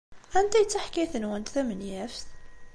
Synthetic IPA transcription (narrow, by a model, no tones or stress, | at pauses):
ænt̪æjt͡sːaħkiθənwænt̪θæmənjæfθ